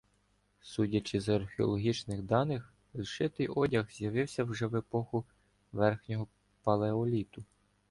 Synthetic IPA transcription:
sudʲɐt͡ʃɪzɐɐrxeɔ̰lˠɔɦʲit͡ʃnɪxd̪ɑnɪx | lˠʃɪt̪ɪjɔdʲɐxz̥ʲjɐʋɪwsʲɐwʒɛʋɪpɔxʊ | ʋɛrxnʲɔɦɔ | pɐlˠeɔlʲit̪ʊ

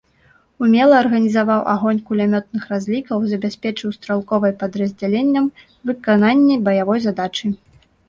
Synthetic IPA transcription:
umʲɛlˠɐːrɣɐnʲizavawʔa̰ɣɔnʲkulʲamʲɔt̪̚nɨxrazʲlʲikɐwzɐbʲasʲpʲɛt͡ʂɨwst̪ɾalˠkɔvɐjpɐd̪ɾɐzʲd͡zʲalʲenʲːɐm | vɨkananʲːibɐjavɔjzad̪at͡ʂɨ

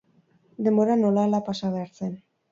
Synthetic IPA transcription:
d̪e̞mboɾano̞lalapasaβeaɾt͡sen

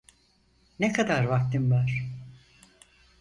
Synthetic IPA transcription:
nekʰad̪aɾvak̚t̪ʰɯmvaɾ̥

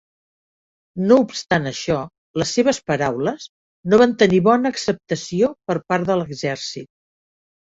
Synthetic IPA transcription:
noupst̪anəʃɔ | ləsːeβ̞əspəɾawləz | noβant̪əniβɔnəːksəp̚t̪əsiopəɾpaɾðələɡzɛɾsit̪̚

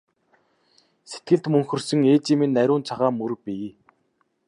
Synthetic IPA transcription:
se̥t̪̚ɡɘ̆ɮt̪mɵŋxɵ̆rsɵ̆ŋeːt͡ɕiːminːæɾʲʊːnt͡sʰaʁaːmːɵɾpʲiː

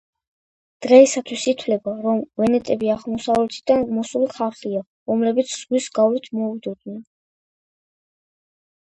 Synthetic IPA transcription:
d̪̥ʁɛisat̪ʰwisit̪ʰwlɛbaɾɔmvɛnɛt̪ʼɛbiaʁmɔsavlɛt̪ʰid̪anʁmɔsuliχaɾχia | ɾɔmlɛbit̪sʰz̥ʁwisɡavlit̪ʰmɔvid̪ɔd̪nɛn

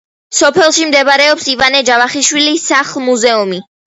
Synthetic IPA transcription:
sɔpʰɛlˠʃimd̪ɛbaɾɛɔpsivanɛd͡ʒavaχiʃwilisaχlˠmuzɛumi

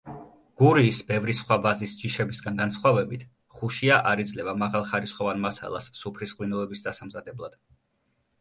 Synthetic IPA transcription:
ɡ̥uɾiːsbɛvɾisχwavazisd͡ʒiʃɛbisɡanɡansχwavɛbit̪ʰ | χuʃiaʔaɾid̪zlɛvamaʁalˠχaɾisχɔvanmasa̰lˠa̰sːupʰɾisqʼwinɔɛbisd̪asamzad̪ɛblˠad̪̥

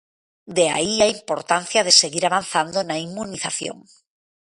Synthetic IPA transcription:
d̪ea̰iaimpoɾt̪an̟θjaðeseɣiɾaβ̞an̟θand̪onaimːuniθaθjo̰ŋ

